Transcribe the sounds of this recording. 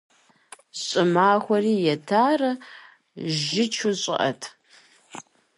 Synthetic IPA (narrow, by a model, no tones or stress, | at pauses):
ɕʼɪmaːxʷɔriːjɛtʰaːrɐ | ʒɪt͡ʃʰʊɕʼɪ̰ʔɐ̰tʰ